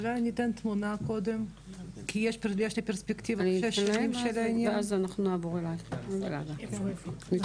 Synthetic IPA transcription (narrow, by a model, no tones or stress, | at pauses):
ulajnit̪ɛnt̪munakod̪em | kijɛʃpeʁlijɛʃlepeʁspekt̪ivaʃeʃimʃelaneazanaχnuavoʁelajbela̰d̪a | mi